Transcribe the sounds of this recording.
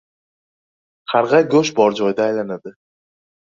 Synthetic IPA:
qʰɑɾʁɑɡɵʃbɒɾd͡ʒɒjd̪aːjlanad̪ɪ

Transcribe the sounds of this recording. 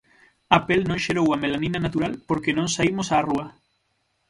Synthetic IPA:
apelnõŋʃeɾowɐmelaninanat̪uɾalpoɾkenõŋsaimosaruɐ

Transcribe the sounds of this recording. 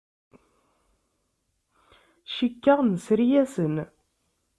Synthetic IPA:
ʃikːəʁnsɾijæsən

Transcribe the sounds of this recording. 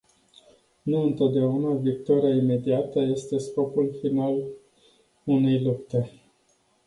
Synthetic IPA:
nuɨnt̪o̞t̪̚d̪eaunavik̚t̪oɾiaime̞d̪iat̪əje̞st̪e̞sko̞pulfinal | une̞jlup̚t̪e̞

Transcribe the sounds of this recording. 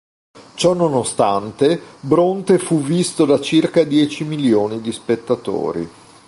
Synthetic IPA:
t͡ʃɔnːonost̪ant̪ebɾont̪efuvːist̪od̪at͡ʃirkad̪jɛːt͡ʃimiljoːnid̪ispet̪ːat̪o̰ːɾḭ

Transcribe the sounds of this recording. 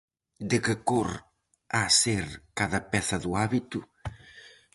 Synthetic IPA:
d̪ekɪkor | aseɾkaðɐpɛθɐðuaβit̪u

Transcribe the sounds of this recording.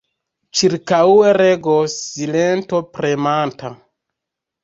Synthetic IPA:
t͡ʃiɾkaueɾeɡosilento̞pɾemanta

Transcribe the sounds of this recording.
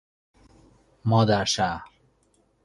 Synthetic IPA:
mɔːd̪aɾʃaɾ

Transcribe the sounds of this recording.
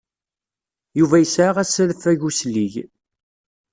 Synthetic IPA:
juvæjəsʕaʁæslfæʝusliʝ

